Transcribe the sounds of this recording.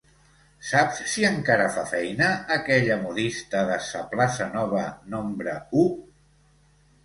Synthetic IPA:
sapsːiəŋkaɾəfafɛjnəːkɛʎəmuðist̪əðəsəplasənɔβ̞ənombɾəu

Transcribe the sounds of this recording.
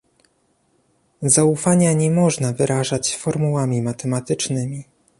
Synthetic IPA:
zaufaɲaɲɛmɔʐnavɘɾʔaʐat͡ɕfɔɾmuwamʲimat̪ɛmat̪ɘt͡ʂnɘmʲi

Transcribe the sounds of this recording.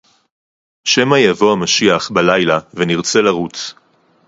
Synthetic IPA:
ʃemajavo̞amaʃiaχbalajlaveniʁt͡se̞laʁut͡s

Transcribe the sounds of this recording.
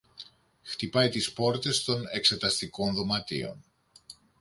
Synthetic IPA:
xt̪ipɐjt̪ispo̞ɾt̪e̞st̪o̞ne̞kse̞t̪ɐst̪iko̞nðo̞mɐt̪ḭo̞̰n

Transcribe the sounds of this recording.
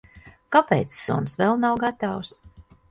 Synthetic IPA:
kapɛ̰jt̪sːɔ̰nsvɛlˠnawɡat̪aws

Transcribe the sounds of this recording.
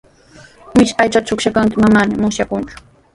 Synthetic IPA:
mɪʃajt͡ʃat̪t͡ʃʊkʃakaŋkɪmamaːnɪmʊsjakʊnt͡ʃʊ̥

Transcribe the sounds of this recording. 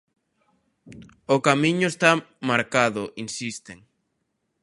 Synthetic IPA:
okamĩɲʊest̪amaɾkaðʊʔinsist̪eŋ

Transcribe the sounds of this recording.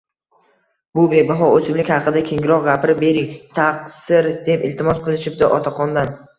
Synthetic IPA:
bʊbe̞bɪɦɒɵsɪmlɪkʲhɑqɨd̪akʲʰe̞ŋɡʲɪɾɒq̚ɡʲapʰɾɪbe̞ɾɪŋt̪ʰaqsɪɾd̪e̞pɪlt̪ʰɪmɒsqʰɨlˠɪʃɪp̚d̪ɪʔɒt̪ʰaqʰɒnd̪an

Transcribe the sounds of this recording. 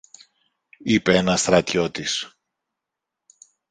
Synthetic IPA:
ipeenɐst̪ɾɐt̪ço̞t̪is

